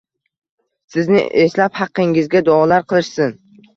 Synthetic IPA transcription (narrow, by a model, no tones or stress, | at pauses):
sɪznɪ̰ʔeslaphɑqːɪŋɪzɡʲad̪ʊɒlaɾqʰɨlˠɪʃsɪn